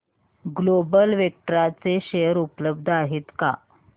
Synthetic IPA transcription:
ɡlobəlʋek̚ʈəɾat͡seɕejəɾupləb̚d̪ʱaɦet̪ka̰

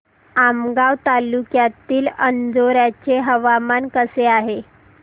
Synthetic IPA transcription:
amɡaʋt̪alukjat̪iːlənd͡zoɾjat͡ɕeɦəʋamankəseaɦe

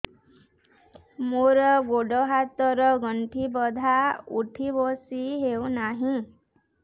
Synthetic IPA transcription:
moɾɔɡoɖɔɦat̪ɔɾɔɡɔɳʈʰibɔd̪ʱaṵʈʰibosiɦewnaɦĩ

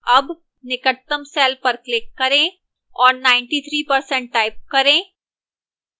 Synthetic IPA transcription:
ɐb | nɪkət̪ːəmsɛːlpɐɾklɪkːɐɾẽː | ɔːɾnãːɪ̃ɳʈiːt̪ʰɾiːpɐɾsɛ̃ɳʈ̚ːaːɪp̚kɐɾẽː

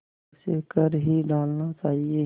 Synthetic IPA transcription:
sekəɾɦiɖaːlnat͡ʃaːɦie

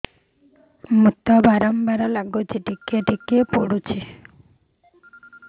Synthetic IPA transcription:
mut̪ːabaɾambaɾalaɡod͡ʒeʈikeʈikepoɽut͡ʃʰe

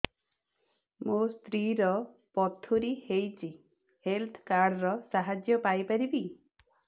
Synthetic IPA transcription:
most̪ɾiɾɔ | pɔt̪ʰuɾihejt͡ʃʰi | helt̪ʰkaɾɽɾɔsaɦad͡ʒjɔpajpaɾibi

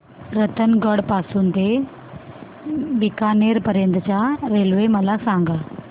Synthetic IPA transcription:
ɾət̪ənɡəɽpasuːnt̪e | bikaneɾpəɾjənt̪ət͡ɕjaɾelʋeməlasaŋɡa

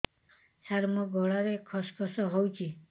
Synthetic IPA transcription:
saɾmɔɡʱɔɭaɾekʰɔspʰɔsɔɦowt͡ʃʰi

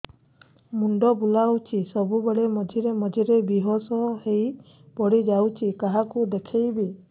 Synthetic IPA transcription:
muɳɖɔbulawt͡ʃʰisɔbubeɭemɔd͡ʒʱiɾemɔd͡ʒʱiɾebiɦosɔhej | pɔɽid͡ʒawt͡ʃʰikaɦakud̪ekʰejbi

